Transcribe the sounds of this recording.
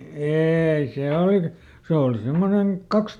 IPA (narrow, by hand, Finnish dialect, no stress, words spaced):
eːi seˑ olik se oˑli simːoneŋ kɑks